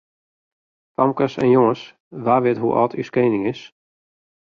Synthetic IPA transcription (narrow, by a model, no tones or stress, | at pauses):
pamkəsɛ̰njoŋəs | ʋaːʋɪətɦuʔɔ̰tʰy̰skeːnɪŋɪs